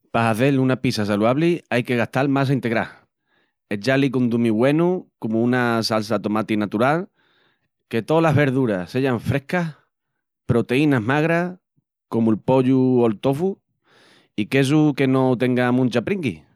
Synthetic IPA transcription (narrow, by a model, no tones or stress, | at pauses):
pasaθe̞lunapisasaluaβliajke̞ɣ̞aht̪almas̬aint̪e̞ɣɾa | e̞d͡ʒalikond̪umiɣwe̞nukomuunasals̬at̪omat̪inat̪uɾal | ke̞t̪o̞laɦβe̞ɾðuɾase̞ʝaɱfɾe̞hka | pɾo̞t̪e̞inaɦmaɣɾa | ko̞muelpo̞ʎuolt̪ofu | ike̞s̬uke̞no̞t̪e̞ŋɡamũnʲt͡ʃapɾiŋɡi